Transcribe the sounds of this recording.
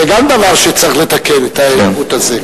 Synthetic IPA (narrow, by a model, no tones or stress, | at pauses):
eɡamd̪avaʁʃet͡sʁiχlet̪akenet̪aeut̪aze